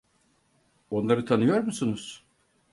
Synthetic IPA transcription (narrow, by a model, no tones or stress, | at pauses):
o̞nlˠaɾɯt̪ʰanɯjo̞ɾmusunuz̥